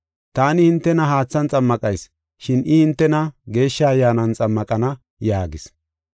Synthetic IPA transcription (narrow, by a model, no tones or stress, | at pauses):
t̪aːnɪhɪnt̪ːɛnɐɦaːt͡sːɐnt͡sʼɐmːɐkʼɐjs | ʃɪnɪhɪnt̪ːɛnɐɡe̞ːʃːɐːjːaːnɐnt͡sʼɐmːɐkʼɐnɐ | jaːɡɪs